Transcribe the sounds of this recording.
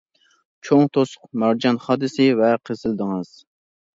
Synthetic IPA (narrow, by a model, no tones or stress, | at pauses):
t͡ʃʰoŋt̪ʰosʊ̥qmæɾd͡ʒɑnχɑːd̪ɨsɪvɛqʰəzɨld̪ɨŋɨz̥